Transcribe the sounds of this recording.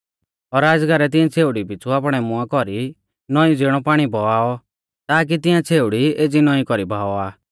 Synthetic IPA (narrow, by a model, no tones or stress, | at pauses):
ɔɾaːd͡zɡaɾɛt̪̬ɪ̃ãt͡sʰeːuɽipit͡sʰuapɽ̃ɛmʊakɔɾi | nɔĩd͡ziɽ̃ɔpaːɽ̃ibʱɔaːɔ | t̪aːk̬it̪ɪjãt͡sʰeːuɽied͡zinɔĩkɔɾibʱaːɔaː